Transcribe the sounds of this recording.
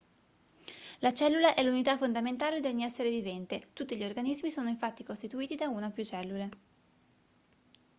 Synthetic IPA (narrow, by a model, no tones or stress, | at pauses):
lat͡ʃɛlːulaʔɛlːunit̪afond̪ament̪aːled̪eɲiɛsːeɾevivɛnt̪et̪ut̪ːiʎiorɡanizmisoːnoiɱfat̪ːikost̪it̪uiːt̪id̪aunapjut͡ʃɛlːule